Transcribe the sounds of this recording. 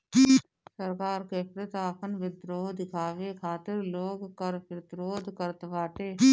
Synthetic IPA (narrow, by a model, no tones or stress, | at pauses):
səɾkaːɾkeːpɾət̪aːpʰənʋɪd̪ɾoːd̪ɪkʰaːʋekʰaːt̪ɪɾloːɡkəɾpɪɾt̪ɾoːd̪ʱkəɾt̪ʋaːʈ̪eː